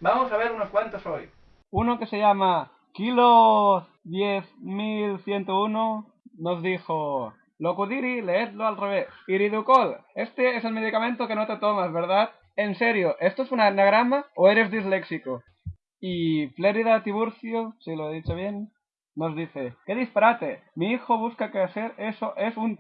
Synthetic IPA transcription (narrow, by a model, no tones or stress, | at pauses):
bamosaβ̞eɾunoskwant̪osoj | unokeseʎama | kilo | ðjeθmilθjent̪ouno | nozðixo | lokuðiɾileet̪loalreβ̞esiɾiðukolest̪eese̞lme̞ð̞ikamẽnt̪okenot̪et̪omazβeɾðat̪ | enseɾjoʔest̪oesunanaɣ̞ɾamaoeɾe̞zðizleksiko | ifleɾiðat̪iβuɾθjosiloeðit͡ʃoβ̞jenː | ozðiθekeðispaɾat̪emiixoβ̞uskakeaseɾesoʔesun